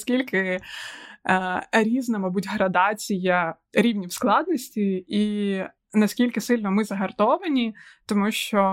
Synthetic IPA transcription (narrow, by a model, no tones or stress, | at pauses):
skʲilʲkɪ | ɾʲiznɐmɐbutʲɦɾɐd̪ɑt͡sʲijɐ | ɾʲiwnʲiwsklˠɑd̪nɔsʲtʲii | nɐskʲilʲkɪsɪlʲnɔmɪzɐɦɐrt̪ɔʋɐnʲit̪ɔmuʃt͡ʃɔ